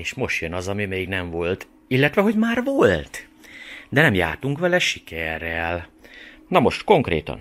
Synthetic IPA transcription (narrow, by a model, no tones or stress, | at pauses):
eːʃmo̞ʃt̪jønɒzɒmimeːɡnɛɱvo̞lt̪ | ilːɛt̪ʋɛɦo̞ɟmaːrʋo̞lt̪ | d̪ɛnɛmja̰ːt̪uŋkʋɛlɛʃikɛrːɛl | nɒmo̞ʃt̪ko̞ŋkrḛːt̪ɒ̰n